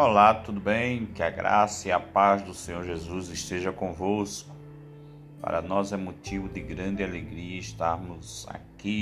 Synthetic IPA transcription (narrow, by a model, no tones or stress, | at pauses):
olat̪ud̪ʊbẽj̃kɪɐɡɾa̰sɐiɐpazd̪ʊsẽɲoɾʒezuzɪʃt̪eʒɐkõvoskʊ̥ | pa̰ɾɐ̰nɔzɛmot̪ivʊd̪ɪɡɾɐ̃d̪ɪaleɡɾiɐɪst̪aɾmʊza̰ki